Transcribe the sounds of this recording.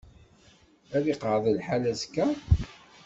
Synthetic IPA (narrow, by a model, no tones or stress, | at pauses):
æðiqəɾðˤəlħalæzkːæ